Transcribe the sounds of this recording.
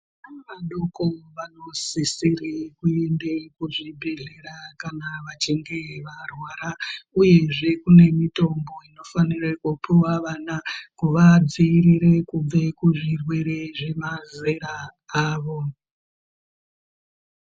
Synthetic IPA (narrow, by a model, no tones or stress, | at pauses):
anaʋaɗo̞koʋano̞sisirekue̞ndekuʐibʱe̞ɮe̞ɾakanaʋat͡ʃiŋɡe̞ʋarwaːɾauje̞ʐe̞kune̞mito̞mbo̞ino̞fanirekupuwaʋaːnakuʋad͡ziːɾiɾe̞kub͡ve̞kuʐirwe̞ɾeʐe̞maze̞ɾaaːʋo̞